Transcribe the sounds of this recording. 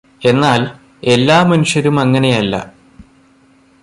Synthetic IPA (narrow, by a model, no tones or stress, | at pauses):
e̞nːaːl | e̞lːaːmɐnuʂjɐɾumɐŋːɐne̞jɐlːɐ̰